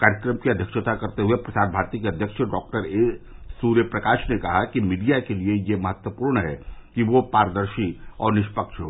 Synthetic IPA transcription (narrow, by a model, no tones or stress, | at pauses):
kaːɾjəkɾəmkiɐd̪ʱjəkʃət̪akɐɾt̪eɦuepɾɐsaːd̪̚bʱaːɾt̪ikeɐd̪ʱjəkʃəɖɔːk̚ʈəɾesuːɾjəpɾɐkaːʃnekɐɦakimiːɖijakeliejemɐɦət̪wəpuːɾɳɦɛkiʋopaːɾəd̪əɾʃiɔ̰ːɾnɪʃpəkʃɦoː